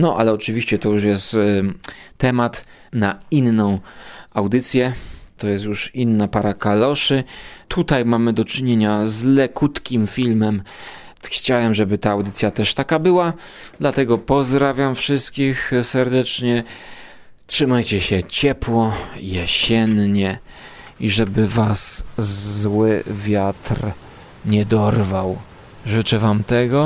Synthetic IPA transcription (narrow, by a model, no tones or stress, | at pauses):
nɔʔa̰lɛɔt͡ʂɘvʲiɕt͡ɕɛt̪ɔjuʂjɛst̪ | tːɛmat̪ | nainːɔ̃w̃awd̪ɘt̪sʲjɛt̪ɔjɛst̪juʂinːapaɾakalɔʂɘt̪ʰut̪ajmamɘd̪ɔt͡ʂɘɲeɲazlɛkut̪kʲimfʲilmɛm | xt͡ɕawɛmʐɛbɘt̪aːwd̪ɘt̪sʲjat̪ɛʂt̪akabɘwa | d̪lat̪ɛɡɔpɔzd̪ɾavʲjamfʂɘst̪̚kʲixsɛɾd̪ɛt͡ʂɲɛ | tʂɘmajt͡ɕɛɕɛt͡ɕɛpwɔjɛɕɛnɲɛ | iʐɛbɘvaszwɘvʲjat̪r | ɲɛd̪ɔɾvaw | ʐɘt͡ʂɛvamt̪ɛɡɔ